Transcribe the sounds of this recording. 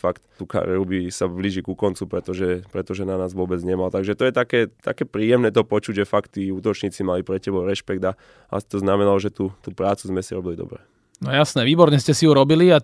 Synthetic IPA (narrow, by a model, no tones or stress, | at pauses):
fakt̪t̪uka̰ɾḭɛɾubisabliʒikukɔnt͡supɾɛt̪ɔʒɛpɾɛt̪ɔʒɛnanaːzʋʊɔbɛd͡zɲɛmalt̪aɡʒɛt̪ɔjɛt̪akɛːt̪a̰kɛːpɾiːjɛmnɛːt̪ɔpɔt͡ʃuɟʒɛfakt̪ːiuːt̪ɔt͡ʃɲiːt͡simalipɾɛcɛbɔʊɾɛʃpɛɡd̪a | a̰si̥t̪ɔznamɛnalɔʒɛt̪ut̪uːpɾaːt͡suzmɛsiɾɔbilid̪ɔ̰bɾɛ̰ | nɔjasnɛʋiːbɔɾɲɛscɛsijuɾɔbilia